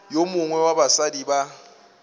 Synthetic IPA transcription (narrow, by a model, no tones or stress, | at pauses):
jomʊŋwɛwabasadiba